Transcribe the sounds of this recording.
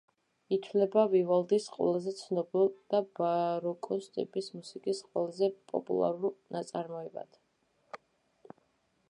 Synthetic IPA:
it̪ʰvlɛbavivalˠd̪isqʼwɛ̰lˠazɛt̪sʰnɔbilˠd̪̥abaɾɔkʼɔst̪ʼḭpʼismusikʼisqʼwɛlˠazɛpʼɔ̰pʼṵlˠa̰ɾulˠnat̪sʼaɾmɔɛba̰d̪̥

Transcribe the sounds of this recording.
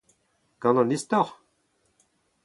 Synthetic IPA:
kɑ̃nɑ̃nist̪ɔʁ

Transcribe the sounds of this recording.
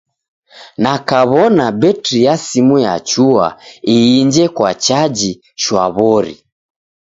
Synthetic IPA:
nakaβɔnabɛtɾijasimuja̰t͡ʃua̰iːɲd͡ʒɛkwat͡ʃad͡ʒi | ʃwa̰βɔɾḭ

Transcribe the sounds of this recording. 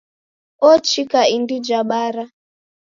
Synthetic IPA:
ɔt͡ʃikaindid͡ʒaɓaɾa

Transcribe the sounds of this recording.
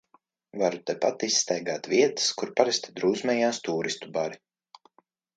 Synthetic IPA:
vaɾut̪ɛpat̪isːt̪ɛjɡaːt̪viɛt̪ɨ̥skuɾpaɾɛst̪ad̪ɾuːzmɛjaːst̪uːɾist̪ubaɾi

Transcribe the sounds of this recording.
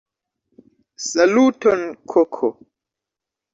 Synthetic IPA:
salutɔnkʰɔkʰo

